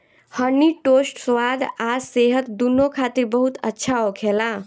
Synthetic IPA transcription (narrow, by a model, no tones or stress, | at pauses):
hənːiʈosʈswad̪aseɦət̪d̪unːokʰat̪iɾbəɦut̪ə̰tːʃʰaokʰelã